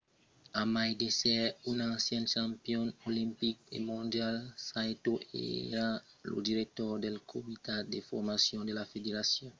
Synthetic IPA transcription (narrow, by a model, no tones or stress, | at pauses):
amajdesɛunãnsjɛ̃nʃãmpjɔ̃nolĩmpik̚ḛmõnd̪jalsajt̪oḛɾa | lo̰d̪iɾek̚t̪ɔʁd̪elkʰomit̪ad̪efɔɾmasjɔ̃nd̪elafed̪eɾasjɔ̃n